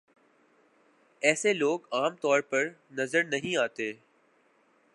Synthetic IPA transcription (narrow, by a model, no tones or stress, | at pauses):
ɛːseloːkaːmt̪ɔːɾpɐɾnɐzəɾnɐɦĩaːt̪eː